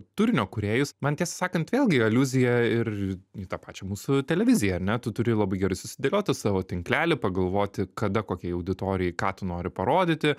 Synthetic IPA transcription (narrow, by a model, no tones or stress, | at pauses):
t̪ʊɾʲɪnʲoːkʊɾʲeːjʊsmɐnt̪ʲiɛsɐsɑːkɐnt̪ʋʲeːlˠɡʲɪɐlʲuːzʲɪjɛɪrit̪ɑpɑːt͡ʃʲɛmuːsʊt̪ʲɛlʲɛʋʲɪzʲɪjɛɐɾʲnʲɛt̪ʊt̪ʊɾʲɪlˠɐbɐɪɡʲɛɾɐɪsʊsʲɪd̪ʲelʲoːt̪ʲɪsɑːʋoːt̪ʲɪŋklʲæːlʲɪpɐɡɐlˠʋoːt̪ʲɪkɐd̪ɐkoːkʲɛɐʊd̪ʲɪt̪oːɾʲɪjɛɪkɑːt̪ʊnoːɾʲɪpɐɾoːd̪ʲɪt̪ʲɪ